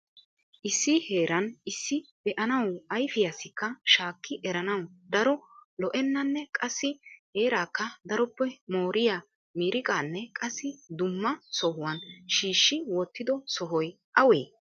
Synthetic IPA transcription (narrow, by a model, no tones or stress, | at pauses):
ʔɪsːɪhe̞ːɾɐnɪsːɪb̥ɛʔɐnɐwɐjfɪjasɪkːɐʃaːkːɪʔɛɾɐnɐwd̪ɐɾɔlɔʔɛnːɐnːɛkʼɐsːɪhe̞ːɾaːkːɐd̪ɐɾɔpːɛmoːɾɪjaː | miːɾɪkʼaːnːɛkʼɐsːɪd̪ʊmːɐsɔhʊwɐnʃiːʃːɪwɔt̪ːɪd̪ɔsɔɦɔj | ʔɐweː